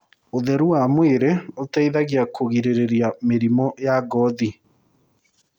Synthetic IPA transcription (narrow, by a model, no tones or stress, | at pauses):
oðɛɾuamweɾeotaiðaɣiakʰoɣiɾeɾeɾjameɾimɔjaɡɔði